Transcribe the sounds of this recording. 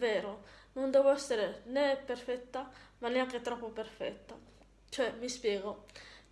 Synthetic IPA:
veːɾonond̪ɛːvoɛsːeɾeneperfɛt̪ːamanːeaŋket̪ɾɔpːoperfɛ̰t̪ːa̰ | t͡ʃoɛmispjɛːɡo

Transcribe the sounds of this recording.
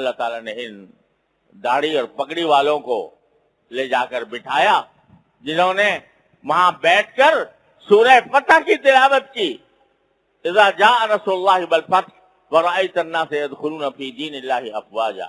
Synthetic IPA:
ɐlːat̪aːlanẽɪn | d̪aːɽiɔːɾpɐɠɽiʋaːlõko̰ː | leːd͡ʑaːkɐɾbɪʈʰaːjaː | d͡ʑɪnõːnẽ | mãbɛːʈʰkɐɾ | suːɾəpɐt̪ʰaːkit̪ɪlaːʋət̪̚kiː | ɪzaːd͡ʑaːɐnɐsʊlːaːɦibɐlfɐt̪ | ʋɐɾɐiːt̪ɐnːaːseɐd̪xʊluːnɐfiːd̪iːnɪlːaːɦiɐfʋaːd͡ʒa̰ː

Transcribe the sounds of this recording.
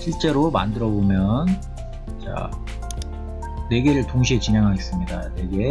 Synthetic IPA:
ɕʰiɭt͡ɕ͈e̞ɾoma̰ndɯɾʌbomjʌn | t͡ɕa̰ | ne̞ɡe̞ɾɯɭtoŋɕʰiet͡ɕinɦe̞ŋɦaɡes͈ɯmɲidane̞ɡe̞

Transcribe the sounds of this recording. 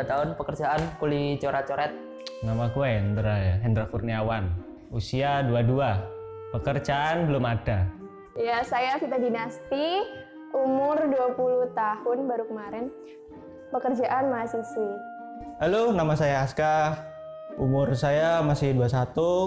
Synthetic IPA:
dat̪aɦʊnpəkərd͡ʒaankulit͡ʃoɾat͡ʃoɾɛt̪̚ | namakuaɛnd̪ɾaɦɛnd̪ɾafurniawan | usiaduadua | pəkərt͡ʃaːnbəlʊmada | jasajafit̪adinast̪i | umʊrduapuluht̪ahʊnbaɾukəmaɾɪn | pəkərd͡ʒaʔanmasisi | alonamasajaːska | umʊrsajamasɪhduasat̪u

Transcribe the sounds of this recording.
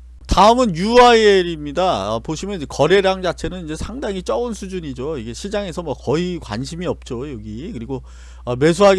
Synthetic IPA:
taɯmɯnjuaieɾimɲidaʌ̰poɕʰimjʌnd͡ʑekʌɾe̞ɾaŋd͡ʑat͡ɕʰe̞nɯnid͡ʑe̞sʰaŋdaŋit͡ɕ͈ʌɯnsʰud͡ʑuɲid͡ʑoiɡe̞ɕʰid͡ʑaŋe̞sʰʌmwʌkʌikwa̰nɕʰimiʌp̚t͡ɕ͈ojʌɡikɯɾiɡo | ʌme̞s̬ʰuɦaɡ

